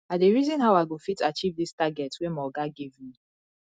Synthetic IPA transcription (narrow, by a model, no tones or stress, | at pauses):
adeɹizɔ̃nɦawaɪɡofitat͡ʃivdistaɡɛtwemɔɡaɡivmi